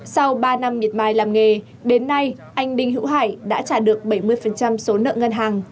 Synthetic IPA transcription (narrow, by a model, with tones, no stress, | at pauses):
sa˧wɓaː˧na˧mːi˨˩ət̚maː˧˩jlaː˨˩mŋe˨˩ | ɗe˨˦nːa˧j | ʔa˧jŋ̟ɗï˧ŋ̟ɦɨ̰˧˥wɦaː˧˩jɗa̰ː˧˥t͡ɕaː˧˩ɗɨ˨˩ək̚ɓə˧˩jmɨ˧əjfə˨˩nt͡ɕa˧mso˨˦nə̰ː˧˨ŋə˧nɦaː˨˩ŋ